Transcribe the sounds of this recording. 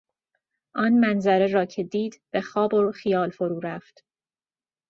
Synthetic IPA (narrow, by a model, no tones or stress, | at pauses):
ʔɒnmænzæɾe̞ɾɒːcʰe̞d̪iːd̪b̥exɒːboxijɒːlfoɾuːɾæft̪